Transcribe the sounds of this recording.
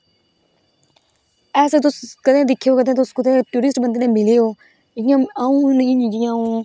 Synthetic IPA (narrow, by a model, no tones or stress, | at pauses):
ɛːst̪̬ʊskəd̪ẽːd̪ɪkʰjoːkəd̪ʱẽːt̪ʊskʊd̪eːʈuːɾɪsʈbənd̪nẽːmɪleoː | ɪãaːũːnĩd͡ʒiãːũː